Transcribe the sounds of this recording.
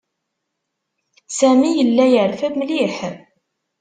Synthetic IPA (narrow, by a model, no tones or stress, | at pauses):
sæmijəlːæjəɾfæbmliħ